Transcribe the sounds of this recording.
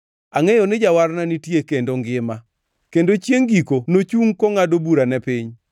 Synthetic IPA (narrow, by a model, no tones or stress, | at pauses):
aŋɛjɔnɪd͡ʒawaɾnanitjekendoŋɡɪma | kendot͡ʃjeŋɡikonot͡ʃuŋkoŋadobuɾanɛpiɲ